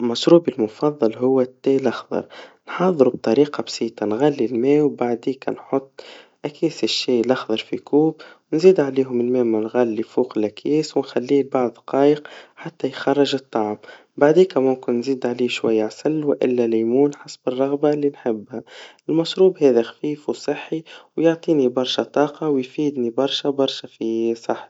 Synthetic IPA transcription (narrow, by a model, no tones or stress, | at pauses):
mɑʃɾuːbilmʊfɑðˤːɑlɦʊwːæt̪ːelʔɑxðˤɑ̰ɾˤnħɑːðˤɾub̚t̪ˤɑɾiːqɑbsiːt̪ˤɑnɣælːilmɛːwbaʕd̪iːkæ̰nħʊt̪ˤːʔækiːsɪʃːiːlɑxðˤɑɾˤfikʰuːbwnziːd̪ʕaliːɦʊmɪlmɛːmænɣælːifuːqɪlʔækʰjɛːswnxælːiːbɑʕðˤqɑːjəqħat̪ːæjxɑrˤːɑʒɨt̪ˤːɑʕm | baʕd̪iːkæmʊmkɪnːziːd̪ʕaliːʃwa̰jːaʕasɪlːwɪʔɪ̰lːælæjmuːnħasbərˤːɑɣbalːinħɪbːhæɪlmɑʃɾuːbhɛːðæxfiːfwsˤɨħːiwjʊʕt̪ˤiːnibɑɾˤʃæt̪ˤɑːqɑwjfiːd̪nibɑɾˤʃabɑɾˤʃæfisˤɑħ